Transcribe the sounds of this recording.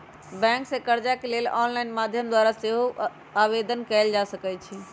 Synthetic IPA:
bɛ̃ksẽkəɾd͡ʒakelelɔnlajnmad̪ʱjəmd̪waɾaseɦo | aβed̪ənkɛld͡ʒasəkɛt͡ʃʰi

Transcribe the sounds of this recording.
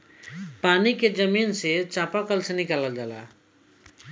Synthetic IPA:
paniked͡ʒəminset͡ʃãpakəlsenikaləld͡ʒaːla̰

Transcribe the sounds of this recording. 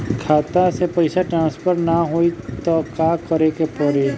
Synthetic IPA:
kʰaːt̪asepəɪsaʈɾãːnspʰəɾnaɦoit̪ɔkaːkəɾekepəɾe

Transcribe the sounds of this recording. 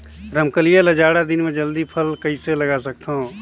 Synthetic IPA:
ɾəmkəlijaləd͡ʒaːɽad̪ɪnmẽd͡ʒəld̪ipʰəlkɐiselɐɡaːsək̚t̪ɦõ

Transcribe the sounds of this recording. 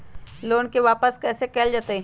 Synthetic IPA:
loːnkeʋaːpəskɛːsekɛːld͡ʒaːt̪e

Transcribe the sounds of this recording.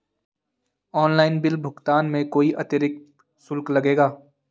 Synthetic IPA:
ɔːnlaːɪnbɪlbʱʊɡt̪aːnmẽkoːiʔɐt̪eɾɪk̚ | sʊlklɐɡeːɡaː

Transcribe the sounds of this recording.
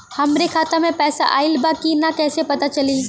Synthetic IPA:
hɐmɾekʰaːt̪amẽpɛːsa̰ʔaːɪlbaːkinakɛːsepɐt̪at͡ʃɐliː

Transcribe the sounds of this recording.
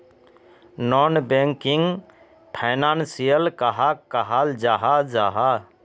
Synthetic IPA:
nɔnbẽŋkiŋɡ | pʰaɪnaːnsijəlkəɦakəɦald͡ʒaɦad͡ʒaːɦa

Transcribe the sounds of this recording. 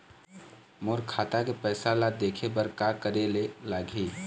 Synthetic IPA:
moɾkʰat̪akepəːsalad̪ekʰebəɾkakəɾelelaːɡʱi

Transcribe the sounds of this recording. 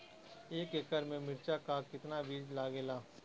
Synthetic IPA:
eːkɪkəɾmẽmɪɾt͡ʃakakɪt̪naʋiːd͡ʒlaːɡeːlaː

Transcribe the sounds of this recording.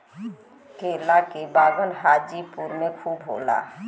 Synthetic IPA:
keːlakebaːɡənɦaːd͡ʒipuːɾmẽkʰuːbɦo̰ːla̰ː

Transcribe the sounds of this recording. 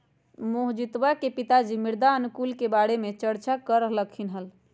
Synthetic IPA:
moɦd͡ʒit̪ʋakepit̪ad͡ʒimiɾd̪aənukulkebaɽemet͡ʃəɽt͡ʃakəɾəɦləkʰinɦəl

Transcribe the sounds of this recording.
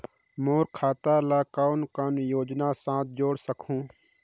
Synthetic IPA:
moːɾkʰaːt̪alaːkaːʊnkənjoːd͡ʒnasãːt̪̚d͡ʒoːɽsəkʰũː

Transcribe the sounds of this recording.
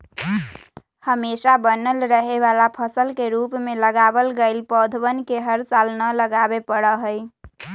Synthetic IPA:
həmesabənəlɾəɦeβalapʰəsəlkeɾupmeləɡabəlɡeɪlpəd̪ʱbənkeɦəɾt͡ʃalnələɡabepəɽəɦəj

